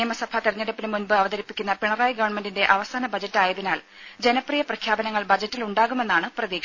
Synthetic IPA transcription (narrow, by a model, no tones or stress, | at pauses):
jɐmɐsɐbʱʰɐt̪iɾɐɲːɐɽɐpːilɨmːunbɨɐʋɐðɐɾipːikʲːunːɐpiɳɐraːjɡɐʋɐɳmendinde̞ʔɐʋɐsaːnɐbɐd͡ʑɐtːaːjɐðinaːl | d͡ʑe̞nɐprijɐprɐkʰjaːbɐnɐŋːɐɭbɐd͡ʑɐtːiluɳɖaːɣume̞nːaːɳɨprɐðiːkʂ